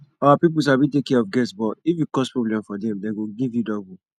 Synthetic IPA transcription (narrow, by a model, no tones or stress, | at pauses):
aapip̬us̬abĩtekːɛɔfɡɛsbɔifjukɔspɹoblɛ̃mfɔdɛ̃mdeɡoɡivjudɔbu